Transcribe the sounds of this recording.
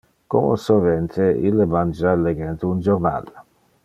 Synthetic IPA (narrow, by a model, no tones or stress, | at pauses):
ko̰mo̰sovɛnt̪ʰeḭlːemand͡ʒaleɡɛnt̪und͡ʒoɾna̰l